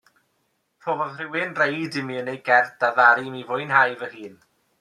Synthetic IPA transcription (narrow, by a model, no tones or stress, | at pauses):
pʰoːvɔðrɪwɪnrejdɪmiənejɡɛrdaðaɾimivʊjnhajvəhiːn